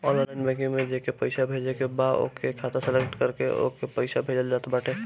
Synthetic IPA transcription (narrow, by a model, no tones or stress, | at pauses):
ɔ̃ːnllaɪnbɛ̃kiŋmẽd͡ʒekepəɪsabʱed͡ʒekebad̪o̰kekʰaːt̪asɛlekʈkəɾkeʔo̰ːkepəɪsabʱeːd͡ʒəld͡ʒaːt̪ebaːʈʰe